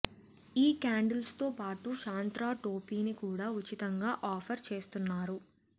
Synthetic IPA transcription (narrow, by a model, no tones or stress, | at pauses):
iːkaːɳɖɐlst̪o̞ːpaːʈuʃaːnt̪ɾaːʈo̞ːpiːnikuːɽaːut͡ʃit̪ɐŋɡaːʔaːpʰɐɾt͡ʃe̞ːst̪unːaːɾu